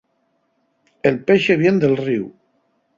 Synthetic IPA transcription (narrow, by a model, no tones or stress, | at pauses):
elpeʃeβ̞jend̪elˠriw